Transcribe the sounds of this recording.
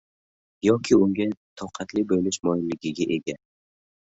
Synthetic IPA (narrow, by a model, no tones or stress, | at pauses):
jɒkʲʰɪʊŋɡʲat̪ʰɒwqʰɑt̪lɪbojlɪʃmɒjɪnlɪɡʲɪɡʲaʔe̞ɡʲa